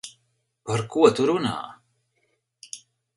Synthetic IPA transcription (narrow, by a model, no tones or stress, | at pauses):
paɾkuɔt̪uɾuna̰ː